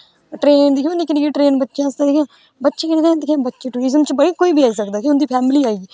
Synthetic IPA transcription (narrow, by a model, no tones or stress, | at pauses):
ʈɾeːnd̪ikʰjõːnikʰɪnkiːʈɾeːnbətːʃãːst̪ad̪ekʰjãː | bətːʃeːkɪnːd̪ẽd̪ekʰjãːbətːʃeːʈuːɾɪzəmt͡ʃbəɽiːkoːiːbiːaːiːsəkd̪aːkiʊnd̪iːpʰɛːmliːaːiɡiː